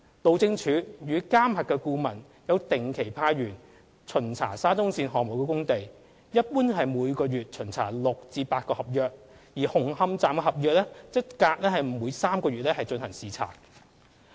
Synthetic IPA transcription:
t̪o˨˧wt͡sɪ˧ŋt͡ʃʰyː˨˧˥jyː˨˧kaː˥mhɐ˨t̚kːɛː˧kuː˧mɐ˨˩n | jɐ˨˧wt̪ɪ˨˩ŋkʰe˨˩jpʰaː˧ɥyː˨˩n | t͡ʃʰɵ˨˩nt͡sʰa̰ː˨˩saː˥t͡sʊ˥ŋsiː˧nɦɔː˨k̚mʊ˨˩wkɛ˧kʊ˥ŋt̪e˨j | jɐ˥t̚puː˥nɦɐ˨jmuː˨˧jkɔː˧jyː˨t̚t͡ʃʰɵ˨˩nt͡sʰa̰ː˨˩lʊ˨k̚t͡siː˨˧paː˧t̚kɔː˧hɐ˨p̚jœː˨˧k̚ | jiː˨˩hʊ˨˩ŋhɐ˧mt͡saː˨mkɛ˧ɦɐ˨p̚jœː˧k̚lɛ˥t͡sɪ˥t̚kaː˧k̚lɛː˥hɐ˨˩jm̩˨˩muː˨˧jsaː˥mkɔː˧ɥyː˨t̚lɛː˥hɐ˨jt͡ʃɵ˧nhɐ˨˩ŋsiː˨˩t͡sʰa̰ː˨˩k̚

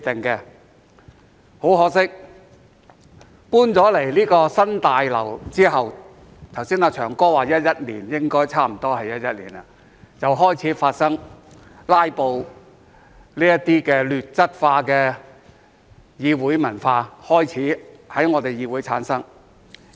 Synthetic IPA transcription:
t̪ɪ˨ŋkɛ˧ | ho˨˥wɦɔː˨˥k̚sɪ˥k̚ | puː˥nt͡sɔː˨˥le˨˩jliː˥kɔː˧sɐ˥nt̪aː˨jlɐ̰˨˩wt͡siː˥ɦɐ˨w | t̪ʰɐ˨˩wsiː˥naː˧t͡ʃʰœː˨˩ŋkɔː˥waː˨˩jɐ˥t̚jɐ˥t̚lḭː˨˩njɪ˥ŋkɔː˥jt͡sʰaː˥m̩˨˩t̪ɔː˥hɐ˨jɐ˥t̚jɐ˥t̚lḭː˨˩na̰˨˧ | t͡sɐ˨wɦɔː˥jt͡sʰiː˨˥faː˧t̚sɐ˥ŋ | laː˥jpo˨˧w | liː˥jɐ˥tt̪iː˥kɛː˧lyː˨t̚t͡sɐ˥t̚faː˧kɛː˧ | jiː˧wuː˨˥jmɐ˨˩nfaː˧hɔː˥jt͡sʰiː˨˥hɐ˨˥jŋɔː˨˧t̪e˨jiː˧wuː˨˥jt͡sʰa̰ː˨˥nsɐ˥ŋ

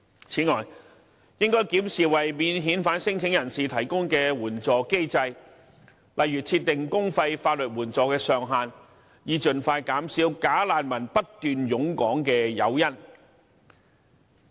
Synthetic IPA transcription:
t͡sʰiː˨˥ŋɔː˨˩j | jɪ˥ŋkɔː˥jkiː˨˥msiː˨wɐ˨jmiː˨˥nɦiː˨˥nfaː˨˥nsɪ˥ŋt͡sʰɪ˨˥ŋjɐ˨˩nsiː˨t̪ʰɐ˨˩jkʊ˥ŋkɛː˧wuː˨˩nt͡sɔː˨ke˥jt͡sɐ˧j | lɐ˨jːyː˨˩t͡sʰiː˧t̪̚ɪ˨˩ŋkʊ˥ŋfɐ˧jfaː˧t̚lɵ˨t̚wuː˨˩nt͡sɔː˨kɛː˧sœː˨ŋɦaː˨˧n | jiː˨˧t͡ʃɵ˨nfaː˧jkaː˨˥msiː˨˥wkaː˨˥laː˨nmɐ˨˩npɐ˥t̚t̪yː˨˧njʊ˨˥ŋkɔː˨˥ŋkɛː˧jɐ̰˨˧wjɐ˥n

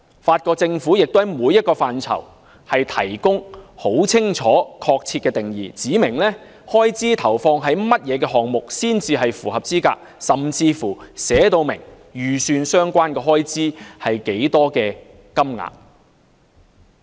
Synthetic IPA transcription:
faː˧t̚kɔː˧k̚t͡sɪ˧ŋfuː˨˥jɪ˨k̚t̪hɐ˨˦jmuː˨˧jːɐ˥t̚kɔː˧faː˨nt͡sʰɐ̰˨˩w | hɐ˨jt̪ʰɐ̰˨˩jkʊ˥ŋho˨˥wt͡sʰɪ˥ŋt͡ʃʰɔː˨˥kʰɔː˧k̚t͡sʰi˧kɛː˧t̪ɪ˨˩ŋjḭː˨t͡siː˨˥mɪ˨˩ŋlɛː˥ | hɔː˥jt͡siː˥t̪ʰɐ˨˩wfɔː˧ŋɦɐ˨˥jmɐ˥t̚jɛː˨˧kɛː˧ɦɔː˨ŋmʊ˨k̚siː˥nt͡siː˧ɦɐ˨jfuː˨˩ɦɐ˨p̚t͡siː˥ka̰ː˧k̚sɐ˨mt͡siː˧fuː˨˩sɛː˨˥t̪o˧wmɪ˨˩ŋ | jyː˨syː˨˧nsœː˥ŋkʷaː˥nkɛː˧ɦɔː˥jt͡siː˥hɐ˨jke˨˥jt̪ɔː˥kɛː˧ | kɐ˥mŋa̰ː˨k̚

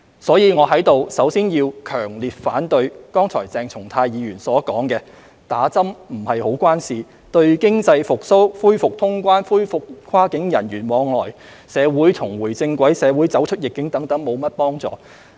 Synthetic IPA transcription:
sɔː˨˥jiː˨˧ŋɔː˨˧ɦɐ˨˥jt̪o˨wsɐ˨˥wsiː˥njiː˧wkʰœː˨˩ŋliː˨t̚faː˨˥nt̪ɵ˧ɥkɔː˥ŋt͡sʰɔː˨˩jt͡sɛː˧ŋt͡sʰʊ˨˩ŋt̪ʰaː˧jiː˨˧jyː˨˩nsɔː˨˥kɔː˨˥ŋkɛː˧ | t̪aː˨˥t͡sɐ˥mm̩˨˩hɐ˨jho˨˥wkʷaː˥nsiː˨ | t̪ɵ˧ɥkɪ˥ŋt͡sɐ˧jfʊ˨k̚so˥wfuː˥jfʊ˨k̚t̪ʰʊ˥ŋkʷaː˥nfuː˥jfʊ˨k̚kʰaː˥kɪ˨˥ŋjɐ˨˩njyː˨˩nmɔː˨˧ŋlɔː˨j | sɛː˨˧wuː˨˥jt̪ʰʊ˨˩ŋwuː˨˩jt͡sɪ˧ŋkʷwɐ˨˥jsɛː˨˧wu˨˥jt͡sɐ˨˥wt͡ʃʰɵ˥t̚jɪ˨kːɪ˨˥ŋt̪ɐ˨˥ŋt̪ɐ˨˥ŋmo˨˧wmɐ˥t̚pɔː˥ŋt͡sɔ̰ː˨˧

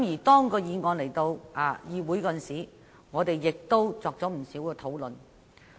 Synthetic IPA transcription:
mjiː˨˩t̪ɔː˥ŋkɔː˧jiː˨˧ŋɔː˨˧nle˨˩jt̪o˧wʔaː˨˩jiː˨˧wuː˨˥jkɔ˨˧nsiː˨˥ | ŋɔː˨˧t̪e˨jːɪ˨k̚t̪o˥wt͡sɔː˨k̚t͡sɔː˨˥m̩˨˩siː˨˥wkɛː˧t̪ʰo˨˥wlɵ˨n

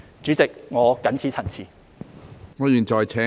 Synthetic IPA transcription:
t͡ʃyː˨˥t͡sɪ˨k̚ŋɔː˨˧kɐ˨˥nt͡sʰiː˨˥t͡sʰɐ˨˩nt͡sʰiː˨˩ | ŋɔː˨˧jyː˨˩nt͡ʃɔː˨jt͡sʰɛː˨˥

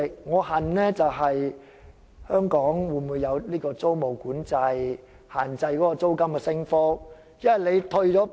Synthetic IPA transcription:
k̚ŋɔː˨˧hɐ˨˩nɛː˥t͡sɐ˨wɦɐ˨j | hœː˥ŋkɔː˨˥ŋwuː˨˧˩muː˨˧jɐ˨˧wliː˥kɔː˧t͡so˥wmo˨˩wkuː˨˥nt͡sɐ˧j | haː˨˩nt͡sɐ˧jkɔː˨˥kɔː˧t͡so˥wkɐ˥mkɛː˧sɪ˥ŋfɔː˥ | jɐ˥nhɐ˨˩jle˨˧jt̪ʰɵ˧ɥt͡ʃɔː˨˥

